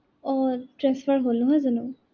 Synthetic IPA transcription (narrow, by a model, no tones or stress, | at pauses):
ɔtɹɛsfaɹɦolnɔɦɔjzɔnu